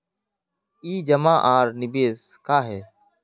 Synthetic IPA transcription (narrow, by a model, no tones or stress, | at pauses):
iːd͡ʒəmãːʔaːɾnɪbeːskaːɦeː